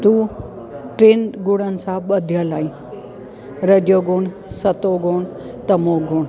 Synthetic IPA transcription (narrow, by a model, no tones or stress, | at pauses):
t̪u | ʈɾenɡuɽ̃ənsabəd̪ʱjalaĩ | ɾəd͡ʒjoɡuɳ | sət̪oɡoɳ | t̪əmoɡuɳ